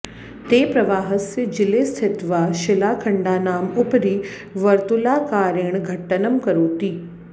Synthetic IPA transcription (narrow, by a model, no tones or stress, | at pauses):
t̪eːpɾɐʋaːɦəsəd͡ʑɪlest̪ʰɪt̪ʋaʃɪlaːkʰəɳɖaːnaːmʊpɾiː | ʋɐɾt̪ulaːkaːɾeɳ̃ɡʱɐʈːənəmkɐɾuːt̪iː